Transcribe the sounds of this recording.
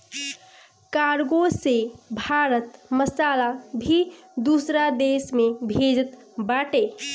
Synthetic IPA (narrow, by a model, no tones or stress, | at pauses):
kaɾɡosebʱaɾət̪məsalabʱid̪usɾad̪esmebʱed͡ʒət̪ | baʈe